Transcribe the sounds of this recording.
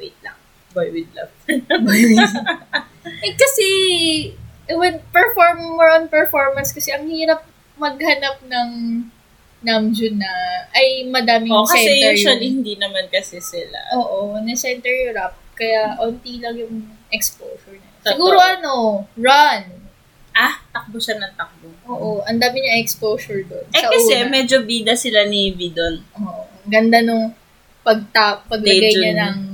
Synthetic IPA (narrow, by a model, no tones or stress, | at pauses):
wḛjt̪̚lɐ̰ŋ | bajwɪd̪̚lɐ̰vbajwɪd | ɛkɐsɛ | ʔɛwɛnpɛɹfoɹmmɛɹonpɛɹfoɹmɐnskɐsɛʔɐŋhiːɾɐp̚ | mɐɡ̚hɐnap̚nɐŋ | nɐmd͡ʒʊnɐʔɐjmɐd̪aːmɪoskɐɛsnɛt̪ɛɹjɐlihɪnd̪inɐmankɐsɛsɪla̰ʔoːʔonɐsɛnt̪ɛɹjɾap̚kɐjaʔont̪iːlɐŋjʊŋʔɛkspoːsoɹɲɐsɪɡuːɾoʔɐno̞ɹɐn | ʔat̪ɐk̚boʃanɐŋt̪ɐk̚boʔoːʔoʔɐnd̪aːmɪɲɐjɛkspoːsʊɹd̪onɛɐkɐsɛmɛd͡ʒobiːd̪ɐsɪlaniviːd̪onʔoːʔo | ɡɐnd̪anoŋ | pɐɡ̚t̪apːɐɡlɐjɡajɐnɐŋ